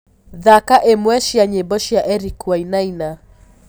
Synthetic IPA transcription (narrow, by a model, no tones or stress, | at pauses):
ðakaʔemwɛʃiaɲebɔʃiaʔɛɾikwainaina